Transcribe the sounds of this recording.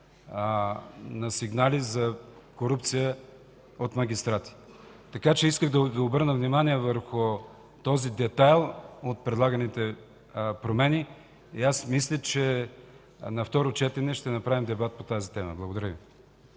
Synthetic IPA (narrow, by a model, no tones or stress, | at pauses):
nɐsiɡnalizɐ | koɾupt̪sijə | ot̪mɐɡ̟ʲist̪ɾat̪i̥ | t̪ɐkat͡ʃɛiskəɣd̪ɐvobɤɾnəvnimaniɛvəɾxʊ | t̪ɔzid̪ɛt̪ajlˠot̪̚pɾɛd̪lˠaɡɐnit̪ɛ | pɾomɛni | iasmislʲət͡ʃɛ | nɐft̪ɔɾot͡ʃɛt̪ɛnɛʃt̪ɛnɐpɾavimd̪ɛbat̪̚pot̪azit̪ɛmə̰blˠɐɡod̪ɐɾəvi